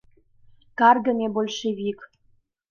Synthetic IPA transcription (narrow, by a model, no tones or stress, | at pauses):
kɑrɡə̆mʲebolʲʃeβik